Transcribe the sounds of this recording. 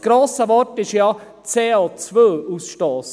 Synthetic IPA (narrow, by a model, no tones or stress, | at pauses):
ɡ̥ɾoːsəʋɔɾtɪʃjɑ | t͡seːoːt͡svøːusʃtɔːs